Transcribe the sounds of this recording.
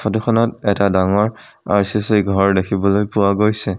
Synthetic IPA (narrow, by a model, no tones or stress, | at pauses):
fʰɔtukʰɔnɔtɛtadaŋɔɹ | a̰ɹsisejɡʱɔɹdekʰibɔlojpʊwaɡojsɛ